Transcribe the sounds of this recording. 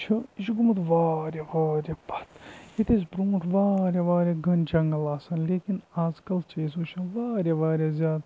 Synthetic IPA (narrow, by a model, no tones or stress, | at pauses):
t͡ʃʰɐiʃɡumɐt̪ʋaːɾʲaʋaːɾʲjabɐ̥t̪it̪es̬bɾũːʈʰʋaːɾʲaʋaːɾʲaɡɐnd͡ʒɐŋɡɐlaːsɐnleːkinaːzkɐlt͡ʃeːs̬uːt͡ʃʰɐnʋaːɾʲaʋaːɾʲazʲjaːd̪